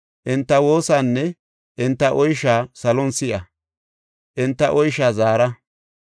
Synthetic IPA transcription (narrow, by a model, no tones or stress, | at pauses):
ʔɪnt̪ːɐwo̞ːsanːɛ | ʔɪnt̪ːɐʔɔjʃaːsɐlɔnsɪʔɐ | ʔɪnt̪ːɐʔɔjʃaːzaːɾɐ